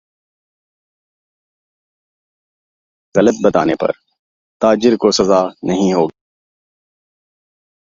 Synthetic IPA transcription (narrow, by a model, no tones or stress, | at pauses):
ɣɐlət̪̚bɐt̪a̰ːnepɐ̰ɾ | t̪aːd͡ʒɪɾkosɐzaːnɐɦĩɦoːɡa